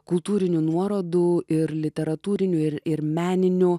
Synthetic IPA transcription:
kʊlˠt̪uːɾʲɪnʲunuɔɾoːd̪uʔɪɾlʲɪt̪ʲɛɾɐt̪uːɾʲɪnʲuːɪɾɪɾmʲæːnʲɪnʲu

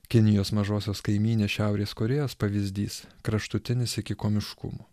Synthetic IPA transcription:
kʲɪnʲɪjoːsmɐʒoːsʲoːskɐɪmʲiːnʲeːsʃʲæˑʊɾʲeːskoːɾʲeːjoːspɐʋʲizʲd̪ʲiːskɾɐʃt̪ʊt̪ʲɪnʲɪsɪkʲɪkoːmʲɪʃkʊ̰muː

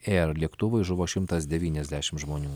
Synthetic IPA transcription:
eːɛɾlʲiɛkt̪ʊʋɐɪʒʊʋoːʃʲɪmt̪ɐsd̪ʲɛʋʲiːnʲɛzʲd̪ʲæːʃʲɪmʒmoːnʲuː

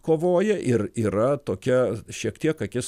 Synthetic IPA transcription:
koːʋoːjɛʔɪriːɾɐt̪oːkʲɛʃʲiɛkt̪ʲiɛkɐkʲɪs

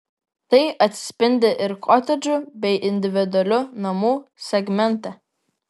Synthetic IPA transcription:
t̪ɐɪʔɐt̪ʲsʲpʲɪnʲd̪ʲɪʔɪɾkʰɔt̪ʲɛd͡ʒʲʊbʲɛɪʔɪnʲd̪ʲɪʋʲɪd̪ʊɐlʲʊnɐmuːsʲɛɡmʲɛnʲt̪ɛ

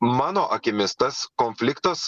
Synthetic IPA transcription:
mɑːnoːʔɐkʲɪmʲɪst̪ɐskɔnʲfʲlʲɪkt̪ɐs

